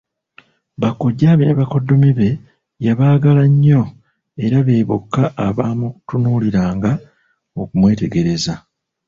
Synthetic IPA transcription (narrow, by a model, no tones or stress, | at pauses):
βakːoɟaːβineβako̞dːo̞miβe̞ | jaβaːɡalaɲːo̞ | e̞ɾaβe̞ːβo̰kːaʔːβaːmuku̥tunuːliɾaːŋɡa | okumwe̞ːte̞ɡe̞ɾe̞za